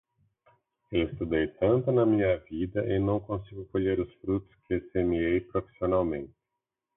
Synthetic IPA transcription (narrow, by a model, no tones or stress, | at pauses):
elst̪ud̪ejt̪ʰant̪ɨnamiavid̪əʔenowkonsiɡʲukolʲeɾusfɾut̪skʰʲesemiejpɾofe̥sionalmẽnt̪e̥